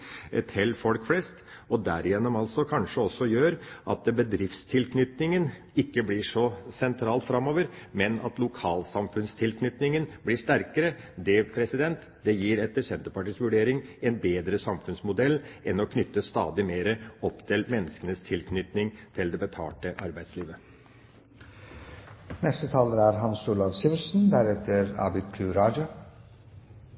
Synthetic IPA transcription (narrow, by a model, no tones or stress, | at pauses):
t̪ʰɪlfɔlkflɛst̪ | ɔd̪æɾɪjɛnːɔmɑlsɔkʰɑnʂəɔsːɔjøːɾʔɑ̰t̪̚d̪ɛbəd̪ɾɪft̪st̪ʰɪlkʰnʏt̪nɪŋən | ɪkːəblɪʂɔsɛnt̪ʰɾɑːlt̪fɾɑmoːʋəɾmɛnɑ̰t̪lʊkʰɑːlsɑmfʉnst̪ʰɪlkʰnʏt̪nɪŋənblɪʂt̪æɾkəɾə | d̪ɛpʰɾɛsɪd̪ɛnt̪ | d̪ɛjiːɾɛt̪ːəʂɛnt̪əɾpɑʈiːsʋʉɖeːɾɪŋɛnbeːd̪ɾəsɑmfʉnsmʊd̪ɛlːɛnɔkʰnʏt̪ːəst̪ɑ̰ːd̪ɪmeːɾəɔpːt̪ʰɪlmɛnːəskənəst̪ʰɪlkʰnʏt̪nɪŋt̪ʰɪld̪ɛbət̪ʰɑ̰ːʈəʔɑɾbæɪd̪sliːʋə | nɛst̪ət̪ʰɑːləɾæɾɦɑnsuːlɑʋsɪʋəsn̩d̪æɾɛt̪ʰəɾɑ̰ːbɪd̪k̪ʰʉɾɑːd͡ʒʊ